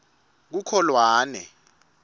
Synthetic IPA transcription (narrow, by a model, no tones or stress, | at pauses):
k̬ukʰɔlwaːnɛ̰